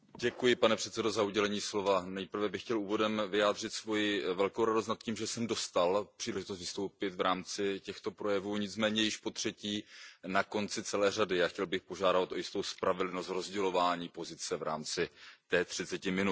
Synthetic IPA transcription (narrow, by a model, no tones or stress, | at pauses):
ɟɛkujɪpanɛpr̥ɛt̪t͡sɛdo̞zauɟɛlɛɲiːslo̞vanɛjpr̩vɛbɪxcɛluːvo̞dɛmvɪjaːd̪r̝ɪt̪svo̞jɪvɛlko̞wɾadost̪nat̪̚ciːmʒɛsɛmdo̞st̪alpr̥iːlɛʒɪt̪ost̪vɪst̪owpɪt̪vɾaːmt͡sɪcɛxt̪o̞pɾo̞jɛvuːɲɪt͡smɛːɲɛjɪʃpo̞t̪r̝̥ɛciːnako̞nt͡sɪt͡sɛlɛːradɪjaːxcɛlbɪxpoʒaːdat̪ojɪst̪o̞wspɾavɛdlnost̪ɾo̞zɟɛlo̞vaːɲiːpo̞zɪt͡sɛvɾa̰ːmt͡sɪt̪ɛːt̪r̝̥ɪt͡sɛcɪmɪnut̪